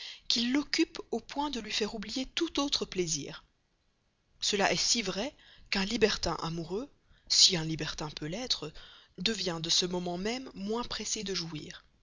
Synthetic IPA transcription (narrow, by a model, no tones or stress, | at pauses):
kʲilːɔkʲypopwɛ̃d̪əlɥifɛʁublijet̪ut̪ot̪χəplezḭːʁ | səlaʔɛsivʁɛkɛ̃libɛʁt̪ɛ̰̃ʔamuʁø | siɛ̃libɛʁt̪ɛ̃pølɛt̪χəd̪əvjɛ̃d̪əsəmɔmɑ̃mɛmːwɛ̃pχesed̪əʒuḭːʁ